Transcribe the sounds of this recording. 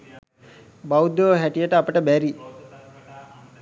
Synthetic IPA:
bawud̪oʋəɦæʈijəʈəapəʈəbæɾi

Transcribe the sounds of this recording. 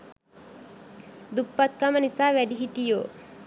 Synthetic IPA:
d̪upːat̪̚kamənisaːʋæɖiɦit̪ijoː

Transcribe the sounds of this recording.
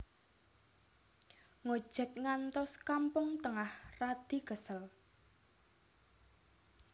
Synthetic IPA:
ŋod̥ʒ̥ə̤k̚ŋant̪ɔskampʊŋt̪əŋahrad̪̥i̤ɡ̥əsəl

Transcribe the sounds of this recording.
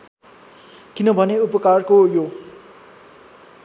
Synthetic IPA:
kinʌbʱʌneupʌkarkojo

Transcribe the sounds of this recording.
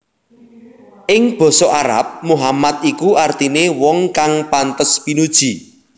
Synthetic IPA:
ʔɪŋb̥ɔ̤sɔʔaɾa̰p̚muɦamat̪̚ikuart̪inewɔŋkaŋpant̪əspinud̥ʒ̥i̤

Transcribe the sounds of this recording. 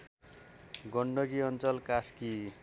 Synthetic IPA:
ɡʌɳɖʌɡiʌnt͡sʌlkaski

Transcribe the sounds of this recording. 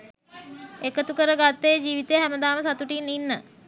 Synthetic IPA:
ekət̪ukəɾəɡat̪ːejd͡ʒiːʋit̪ejəɦæməd̪aːməsat̪uʈinːinːə

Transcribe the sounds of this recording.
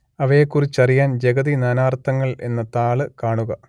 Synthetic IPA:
ɐʋɐjekːurit͡ɕːɐrijaːnd͡ʑeɣɐðinaːnaːrt̪ʰːɐŋːɐɭe̞̰nːɐt̪aːɭɨkaːɳuɣɐ

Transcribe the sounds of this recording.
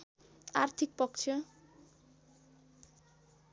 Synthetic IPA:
art̪ʰik̚pʌkt͡sʰjʌ

